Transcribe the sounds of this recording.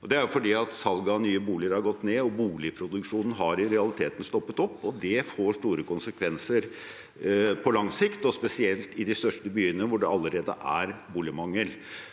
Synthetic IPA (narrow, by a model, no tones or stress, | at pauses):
ɔd̪ɛæɾʊfɔɖiːɑt̪sɑlɡɑnyːəbuːlɪəɾhɑɾɡɔt̪ːneːɔbuːlɪpʰɾʊd̪ʉkʂuːnn̩ɦɑɾɪɾɛɑlɪt̪ʰeːt̪n̩st̪ɔpːət̪ɔpːɔd̪ɛfoːʂʈuːɾəkʊnsəkʰʋɛnsəɾ | pʰɔlɑŋsɪkt̪ɔspɛsɪɛlt̪ɪd̪ɪst̪œʂʈəbyːənəʋʊɖɛɑlːəɾeːd̪ə̰ʔæɾbuːlɪmɑŋːəl